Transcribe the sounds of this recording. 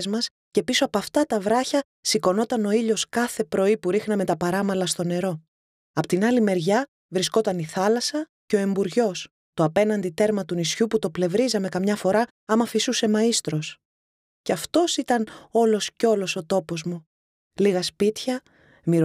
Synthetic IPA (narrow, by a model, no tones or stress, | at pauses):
zmɐs | ce̞piso̞ɐpoɐft̪ɐt̪ɐvɾɐçɐ | siko̞no̞t̪ɐno̞iʎo̞skɐθe̞pɾo̞ipuɾixnɐme̞t̪ɐpɐɾɐmɐlɐst̪o̞ne̞ɾo̞ | ɐpot̪inɐlime̞ɾʝɐ | vɾisko̞t̪ɐniθɐlɐsɐ | ceo̞e̞mbuɾʝo̞s | t̪oɐpe̞nɐnd̪it̪e̞ɾmɐt̪unisçuput̪o̞ple̞vɾizɐme̞kɐmɲɐfo̞ɾɐ | ɐmɐfisuse̞mɐist̪ɾo̞s | ceɐft̪o̞sit̪ɐno̞lo̞sceo̞lo̞so̞t̪o̞po̞zmu | liɣɐspit̪çɐ | miɾ